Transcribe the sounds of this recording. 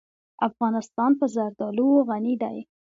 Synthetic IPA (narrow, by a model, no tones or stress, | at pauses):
afɣɑnɪst̪ɑnpəzaɾd̪ɑluwoɣanid̪a̰j